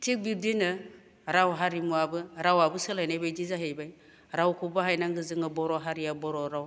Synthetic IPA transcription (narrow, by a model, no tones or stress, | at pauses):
tʰik̚biɾdinɯ | ɾawɦaɾimuabɯɾawabɯsɯlajnajbajdizaɦejbaj | ɾawkʰubaɦajnaŋɡɯzɯŋɯbɔɾɔɦaɾiabɔɾɔɾaw